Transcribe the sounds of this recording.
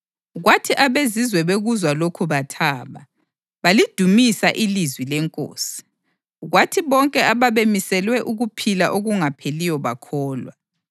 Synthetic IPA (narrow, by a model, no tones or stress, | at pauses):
ɣwatʰiʔaβezizwɛβeɣuzwalokʰuβatʰaːβa | βalid̥ʱumisaʔilizwilɛŋkʼo̰ːsi̥ | ɣwatʰiβɔŋkʼɛaβaβemisɛlwɛʔuɣupʰilaʔoɣuŋapʰelijɔβa̰kʰɔːlwa